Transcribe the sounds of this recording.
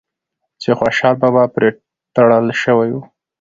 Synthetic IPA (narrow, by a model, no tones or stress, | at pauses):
t͡ʃexwaʃɑlbabapɾe | t̪aɽəlʃəwaju